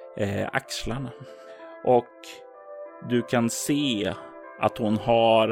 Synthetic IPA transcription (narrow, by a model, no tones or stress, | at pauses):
a̰kslaɳa | ʔɔk | d̪ɵkʰanseː | ʔa̰t̪hʊnhaɾ